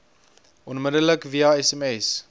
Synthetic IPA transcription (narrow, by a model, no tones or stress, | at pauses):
ʔɔnmədələkviɑɛsɛmɛs